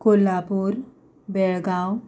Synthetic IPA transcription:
kolapuɾ | beɭɡãw

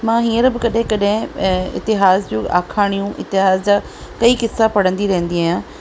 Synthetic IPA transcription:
mãːɦiːəɾbɪkɐɗɦɪ̃kɐɗɦɪ̃ɪ̰t̪ɪɦaːsd͡ʑoːa̰ːkʰaːɽ̃ijũʔɪ̰t̪ɪɦaːzd͡ʑaː | kɐiːkɪsːapɐɽ̤ə̃nd̪iɾɐɦə̃n̆d̪iaːjãː

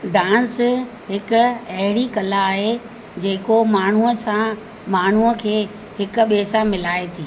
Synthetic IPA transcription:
ɖãːns | ɦɪkʊ̆ɐɦɪɽikɐlaːɦe | d͡ʑeːkomaːɳ̤uəsã | maːɳ̤uəkʰeː | hɪkʊ̆ɓeːsamɪlaːet̪ʰiː

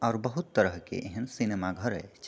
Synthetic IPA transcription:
ɔːɾbəɦut̪ːəɾəɦkḛʔeɦənsinemaɡʱəɾɛ̰t͡ʃʰ

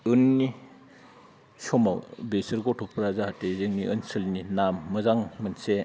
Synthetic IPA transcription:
ɯnːi | sɔmawbesɯɾɡɔtʰɔpɾazaɦatezɯŋniʔɯnsɯlninamːɯzaŋmɯnse

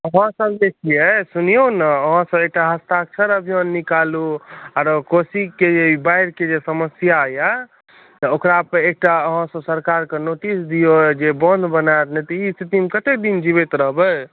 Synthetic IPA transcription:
əɦãsəbd͡ʒekʰiɛsunijonəəɦãsəbek̚ʈaɦəst̪ak̚t͡ʃʰəɾəbʱijonːikaluaɾkosikːeeibaiɾked͡ʒesəməsjaja | t̪okɾapəek̚ʈaəɦãsəbsəɾkaɾkenoʈisd̪ijod͡ʒebənd̪ʱbənat̪nɛt̪ist̪it̪imkət̪ek̚d̪ind͡ʒiβet̪ɾəɦbə

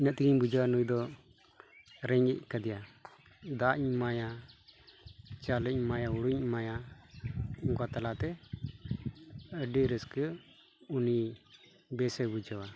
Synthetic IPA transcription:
inəʔt̪iɡiɲbud͡ʒawanujd̪ɔ | ɾɛɲɡɛʔ̚kad̪ɛja | d̪aʔɲmaja | t͡ʃaləmajauɽuɲmaja | uŋkat̪alat̪ɛ | əɖiɾəskə | uni | bɛsɛbud͡ʒawa

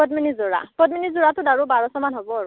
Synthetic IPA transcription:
pɔtminizoɹa̰pɔtminizuɹatʊdaɹubaɹɔsɔmanɦobɔaɹu

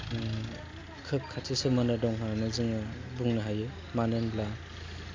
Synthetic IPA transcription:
kʰɯp̚kʰatʰisɯmɯnɯdɔŋɦanɯzɯŋɯbuŋnɯɦajɯ | manɯnbla

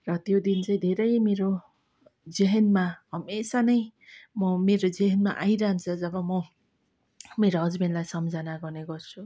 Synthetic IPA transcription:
rʌt̪jod̪int͡sʌ̃j̃d̪ʱeɾʌjmeɾo | d͡zeɦʌnmaɦʌmesanʌjmʌmeɾod͡zeɦʌnmaʔajɾaɦnt͡sʰʌd͡zʌbʌmʌ | meɾoɦʌd͡zbenlajsʌmd͡zʱanaɡʌrneɡʌrt͡sʰu

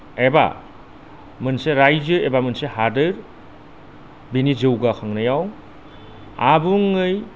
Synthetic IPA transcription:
eba̰ | mɯnseɾajzɯebamɯnsehadɯɾ | binizɯwɡakʰaŋnajaw | abuŋɯj

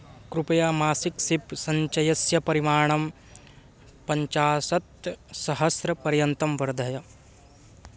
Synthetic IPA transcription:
kɾupɐjaːmaːsiksipsɐɲt͡ʃɐjɐsjɐpɐɾimaːɳ̃ɐm | pɐɲt͡ʃaːsɐt̪sɐɦɐsɾɐpɐɾjɐnt̪ɐmʋɐɾd̪ʱɐjɐ

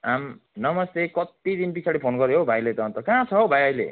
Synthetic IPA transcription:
amnʌmʌst̪ekʌt̪id̪inpisʰaɽipʰonɡʌɾeɦobʱajlet̪ʌt̪ʌkãt͡sʰʌɦobʱajʌjlḛ

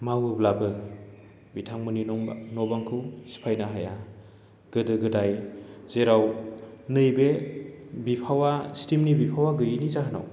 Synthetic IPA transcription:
mawɯblabɯ | bitʰaŋmɯninɔŋ̰nɔbaŋkʰɯwsi̥pʰajnaɦaja | ɡ̥ɯdɯɡɯdajz̥eɾawnɯjbe | bipʰawastimnibipʰawaɡɯjinizaɦɯna̰w

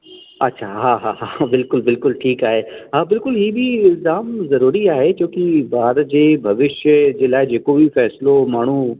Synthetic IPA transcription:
ɐtːʃʰaɦaːɦaɦabɪlkʊlbɪlkʊlʈʰiːkaːɦeːɦãːbɪlkʊlɦiːbʱiɪlzaːmzɐɾuːɾiaːɦet͡ʃõːkibaːɾd͡ʑeːbʱɐʋɪʃjəd͡ʑeːlaːed͡ʒeːkobʱifɛːslomaːɳ̤u

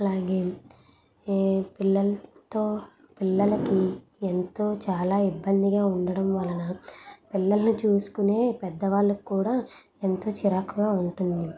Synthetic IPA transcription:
ɐlaːɡe̞ː | pilːɐlɐt̪o̞ː | pilːɐlɐki | ent̪o̞ːt͡ʃaːlaːibːɐnd̪iɡaːuɳɖɐɽɐmʋɐlɐnɐpilːɐlɐnit͡ʃuːsu̥kune̞ːpɛd̪ːɐʋaːɭːɐkkːuːɽaː | ent̪o̞ːt͡ʃiɾakuɡaːuɳʈund̪i

